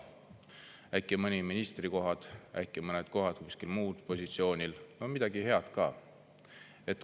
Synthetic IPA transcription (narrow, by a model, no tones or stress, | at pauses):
æjkːˑemɤnʲiminʲist̪riko̞ɦɑd̪̥æ̰kːˑemɤned̪̥ko̞ɦɑd̪̥̚kusʲkilmuːd̪̥po̞sʲit̪sio̞ːnʲilnomid̪̥ɑɡ̥ihe̞ɑd̪̥kɑ̰ː | e̞t̪ːˑ